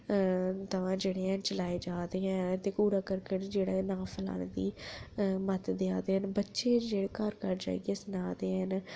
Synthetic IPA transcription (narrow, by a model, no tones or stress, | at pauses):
t̪əʋãːd͡ʒeːɽeːɦɛ̃ːnt͡ʃəlaːeːd͡ʒaːd̪eːɦɛ̃ːt̪eːpuːɾaːkəɾkəʈd͡ʒeːɽaːnãːpʰəla̰ːneːd̪iː | mət̪d̪ɪjaːd̪eːɦənbətːʃeːd͡ʒeːɽeːkəɾkəɾd͡ʒa̰ːḛɡeːsənaːd̪eːɦən